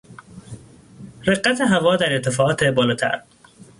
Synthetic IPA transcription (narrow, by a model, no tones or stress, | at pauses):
ɾeɢːæt̪ʰeɦævɒːd̪æɾeɾt̪ʰe̞fɒːɒːt̪ʰebɒːlɒːt̪ʰæ̰ɾ